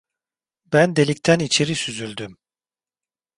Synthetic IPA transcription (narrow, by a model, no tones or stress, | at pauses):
bænd̪e̞lʲict̪ʰænit͡ʃʰe̞ɾisyzylʲd̪ym